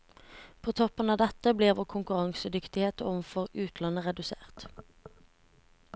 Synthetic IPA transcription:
pʰoːt̪ʰɔpənɑːʋd̪ɛt̪əbleːʋoːkʰʊŋkʉʁɑŋsəd̪ʏkt̪ɪheːt̪əɔʋnfɔʁʉːt̪ʰlɑnəʁɛd̪ʉsḛːʁt̪

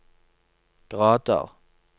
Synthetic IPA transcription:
ɡ̥ʁɑːd̪ə̰ʁ

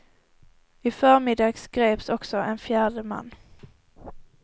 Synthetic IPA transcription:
ɪfœːɾmɪd̪ɑːɡsɡ̥ɾeːpsɔksɔʔɛnfjæːɖəma̰nː

